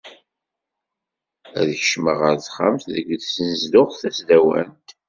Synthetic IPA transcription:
æðəçəʃməʁəɾθχa̰mθðəɡðsənzd̪ʊʁθæsd̪æwæ̰nt̪

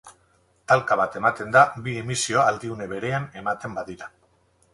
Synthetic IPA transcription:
t̪alkaβ̞at̪e̞mat̪e̞nd̪abiemisio̞ald̪iune̞βe̞ɾe̞ane̞mat̪e̞mbaðiɾa

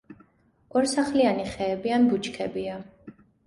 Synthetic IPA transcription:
ɡ̥wɛɾsaχlianiχɛːbianbut͡ʃʰkʰɛbia

